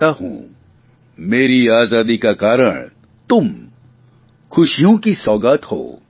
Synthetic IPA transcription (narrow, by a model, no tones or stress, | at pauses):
aɦṵ̃ | meːɾiaːzaːd̪ikakaːɾə̰ɽ̃ | t̪ʊm | xʊʃijõkisɔːɡaːt̪ho̰ː